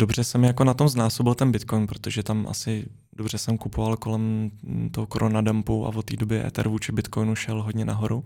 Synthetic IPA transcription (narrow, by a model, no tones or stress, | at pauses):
d̥obr̝ɛsɛmjakonat̪o̞mznaːsobɪlt̪ɛnbɪt̪ko̞jnpɾo̞t̪oʒɛt̪amʔa̰sɪ | dobr̝ɛsɛmkupʰovalko̞lɛmt̪oɦokoɾʔonadampuʔa̰vot̪ːiːdo̞bjɛʔɛ̰t̪ɛ̰ɾvuːt͡ʃɪbɪt̪ko̞jnuʃɛlɦo̞dɲɛnaɦo̞ɾu